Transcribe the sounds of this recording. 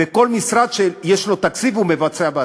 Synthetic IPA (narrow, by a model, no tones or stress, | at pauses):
eko̞lmisʁad̪ʃeljeʃlo̞t̪akt͡sivumevat͡seaba